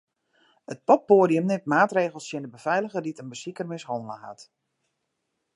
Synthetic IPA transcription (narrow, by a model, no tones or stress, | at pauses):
ət̚pɔp̚ːoːdijəmnɪmtmaːtreːɣəlˠsjɪndəbəvɛjləɣəditənbəsikərmɪshɔnələ̰ha̰t